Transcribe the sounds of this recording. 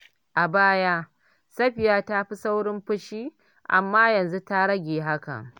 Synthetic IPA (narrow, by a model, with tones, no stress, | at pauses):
ʔa˨baː˦ja˦ | sɐ˦ɸɪ˨jaː˦ta˦ɸi˦sa˦wɽɪ˦mɸʊ˦ʃiː˦ | ʔa̰˨mːaː˦jɐ˨nzu˦ta˦ɽɐ˦ɡʲeː˨ɦa˦kɐ̰˨ŋ